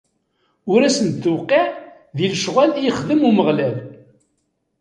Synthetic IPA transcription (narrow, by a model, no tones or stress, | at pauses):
ʊɾæsənt̪ːəwqːeʕ | ðilʃʁælijχðəmuməʁlæl